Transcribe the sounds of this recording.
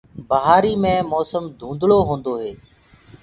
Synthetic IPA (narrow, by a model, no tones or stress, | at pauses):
bəɦaːɾiːmẽːmɔːsəmd̪ʱũːnd̪loːɦõːnd̪oːɦeː